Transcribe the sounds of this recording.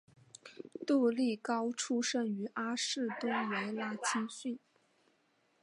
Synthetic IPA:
t̪u˥˧li˥˩kɑ˥ʊʈ͡ʂʰu˥ʂə˥˩ŋy˧˥ʔa˥ʂɻ̩˥˩t̪ʊ˥ŋwe˧˥ɪla˥t͡ɕʰi˥nɕy˥˩n

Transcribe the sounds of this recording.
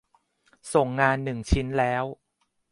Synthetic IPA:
so˨˩ŋːaː˧nːɯ˨˩ŋt͡ɕʰi˦˥nlɛː˦˥w

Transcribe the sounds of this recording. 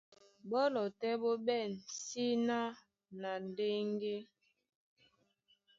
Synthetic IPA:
bɔ˦lɔ˨tɛ˦bo˦bɛ˦˨nsi˦na˦ | na˨n˨de˦ŋɡe˦

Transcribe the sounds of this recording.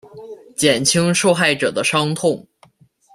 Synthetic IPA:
t͡ɕjɛ˨˩nt͡ɕʰi˥ŋʂo˥˧ʊxa˥˩ɪʈ͡ʂɤ˨˩d̪ə˦ʂɑ˥ŋt̪ʰʊ˥˩ŋ

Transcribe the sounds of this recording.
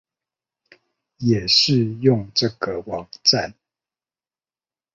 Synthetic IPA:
jɛ˨˩ʂɻ̩˥˨jʊ˥˨ŋʈ͡ʂɤə˥˨ɡə˨wɑ˨˩ŋʈ͡ʂa˥˨n

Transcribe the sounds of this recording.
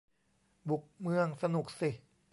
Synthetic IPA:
bu˨˩k̚mɯ˧əŋsa˧nu˨˩k̚si˨˩

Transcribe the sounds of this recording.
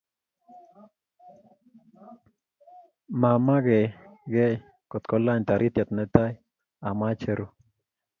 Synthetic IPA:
ma˨ma˦ɡɛ˨ɡe˦j | ko˨t̪ko˦la˦ɲt̪a˨ɾʔi˦t̪ja˨t̪nɛ˦t̪a˦j | a˨ma˦t͡ʃɛ˧ɾu˦

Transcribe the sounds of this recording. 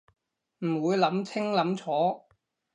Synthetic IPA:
m̩˨˩wuː˨˧jlɐ˨˥mt͡sʰɪ˥ŋlɐ˨˥mt͡sʰɔː˨˥

